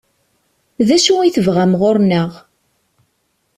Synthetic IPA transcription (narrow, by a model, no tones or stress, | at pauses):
ðæʃuiθəvʁæmʁʊɾnəʁ